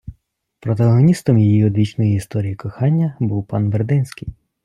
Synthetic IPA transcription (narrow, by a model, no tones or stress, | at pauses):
pɾɔt̪̬ɐɦɔnʲist̪ɔmjejiɔd̪ʋʲit͡ʃnɔjiist̪ɔɾʲijikɔxɑnʲːɐbuwpɑnʋerd̪ɪnsʲkʲɪj